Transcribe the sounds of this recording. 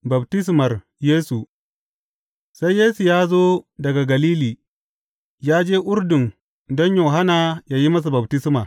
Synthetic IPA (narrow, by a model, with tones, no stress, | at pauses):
bɐ˨btɪ˦s̬mɐ˨r | jeː˦su˨ | sa˦jːeː˦su˨jaː˦zoː˦dɐ˨ɡa˨ɡɐ˨liː˦liː˨ | jaː˦d͡ʒeː˦ʔʊ˦rdʊ˨n | dɔ˦ɲjoː˨ɦa˦naː˨jaː˦ji˦mɐ˦s̬u˨bɐ˨btɪ˦smaː˨